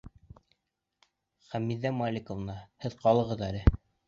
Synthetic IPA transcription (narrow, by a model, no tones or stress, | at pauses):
χæmiðːæmɑlʲikovnɑhɘðqɑlˠɤ̆ʁɤðælɘ